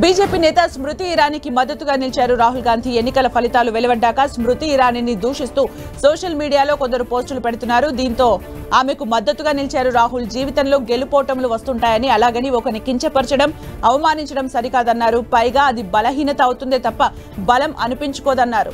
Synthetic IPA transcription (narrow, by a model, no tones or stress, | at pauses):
biːd͡ʒe̞ːpiːnɛːt̪ɐsmɾut̪iːɾaːnikimɐd̪ːɐt̪ːuɡaːnilt͡ʃaːɾuɾaːɦulɡaːnd̪ʱie̞nːikɐlɐpʰɐlit̪aːluʋeliʋɐɖːaːkɐsmɾut̪iːɾaːninid̪uːʂist̪uː | sɔːʂɐlmiːɽijaːlo̞ːkond̪ɐɾupo̞ːsʈulupeɽut̪unːaːɾud̪iːnt̪o̞ː | aːmekumɐd̪ːɐt̪ːuɡaːnilt͡ʃaːɾuɾaːɦuld͡ʒiːʋit̪ɐnlo̞ːɡe̞lupɔːʈɐmluʋɐst̪uɳʈaːjɐniɐlaːɡɐniɔkɐnikiɲt͡ʃɐpɐɾt͡ʃɐɽɐmɐʋɐmaːniɲt͡ʃɐɽɐmsɐɾikaːd̪ɐnːaːɾupɐjɡaːɐd̪ibɐlɐɦiːnɐt̪ɐːwut̪und̪eːt̪ɐpːɐ | bɐlɐmʔɐnupiɲt͡ʃu̥kɔːd̪ɐnːaːɾṵ